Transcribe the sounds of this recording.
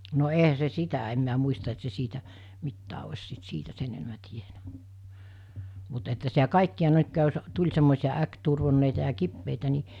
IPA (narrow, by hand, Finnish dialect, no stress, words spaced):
no eɦæ se sitæ em miæ muistɑ et se siːtæ mitːæː osʲ sit siːtæ sen enĕmæ tienæ mut etːæ sitæ kɑˑikːiɑ jos tulʲ semːoˑisij̆ɑ ækturʋonːeitɑ jɑ kipːeitæ ni